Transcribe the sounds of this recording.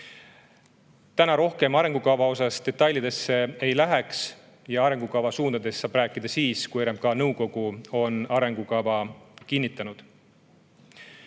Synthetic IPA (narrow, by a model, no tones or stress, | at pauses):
t̪ænɑɾo̞hke̞mɑɾe̞ŋɡukɑvɑo̞s̬ɑst̪e̞t̪ˑːɑjlʲːid̪e̞sːe̞ejlæɦeks | jɑɑɾe̞ŋɡ̥ukɑvɑsuːnd̪ɑd̪e̞sːɑːb̥ræːkːˑid̪̥ɑsiːskujeɾemp̚kɑnɤwko̞ɡ̥uo̞nɑɾe̞ŋɡukɑvɑkinʲːit̪ːˑɑnud̪̥